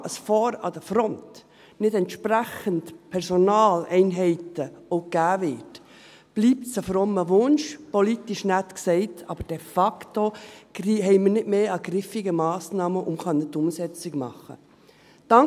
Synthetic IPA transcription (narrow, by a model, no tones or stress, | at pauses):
ʔəsfɔːɾɑ̰d̥əfɾɔnt | nɪdɛnt̪ʃpɾæχəntpʰɛɾsonɑːlɛɪnɦɛɪtəoɡ̥æːvɪːt | b̥liːp̚tsəfɾɔmːəʋʊnʃpolitiʃnætksɛɪtʰɑ̰ːb̥əɾd̥ɛfɑktoiɦɛɪmənɪdmeːɑɡɾɪfɪɡəmɑːsnɑːməʔʊmχɑnːɪtːʊmsɛt͡sɪɡmɑ̰χə̰ | d̥ɑ